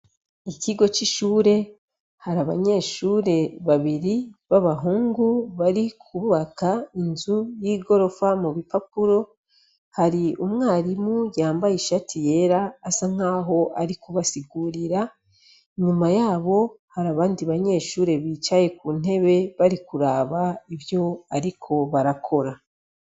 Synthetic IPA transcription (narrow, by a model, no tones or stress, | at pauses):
iciɡo̞t͡ʃiʃuːɾe̞ | haɾaβa̰ɲe̞ːʃuːɾe̞βaβiɾiβaβaɦuːŋɡuβaɾikʰuβakainzujiːɡo̞ɾo̞famuβipapuɾo̞ | haɾiumŋaːɾimujaːmbajiʃatʰije̞ɾaːsaŋ̥aːɦo̞ʔaɾikuβasiɡuːɾiɾa | ɲumajaːβo̞haɾaβaːndiβaɲe̞ːʃuːɾe̞βiːt͡ʃaje̞kuːn̥e̞βe̞βaɾikuɾaːβaivjo̞aɾikʰo̞βaɾakʰo̞ɾa